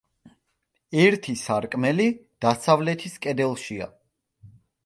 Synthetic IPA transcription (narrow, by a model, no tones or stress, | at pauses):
ɛɾt̪ʰisaɾkʼmɛlid̪̥asavlɛt̪ʰiskʼɛd̪ɛlˠʃia̰